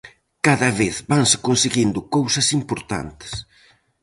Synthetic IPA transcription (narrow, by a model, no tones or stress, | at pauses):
kaðɐβeθbansɪ̥konseɣind̪ʊkowsɐsimpoɾt̪a̰nt̪ɪ̥s